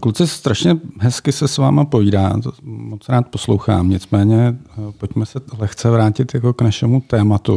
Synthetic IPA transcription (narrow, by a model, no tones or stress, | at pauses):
kut͡sɪst̪ɾaʃɲɛɦɛskɪsɛsvaːmapoviːda̰ːt̪mot͡sɾaːt̪̚poslowxa̰ːmɲɪt͡smɛːɲɛpo̞cmɛsɛlɛxt͡sɛvɾaːcɪt̪jako̞knaʃɛmut̪ɛːmat̪u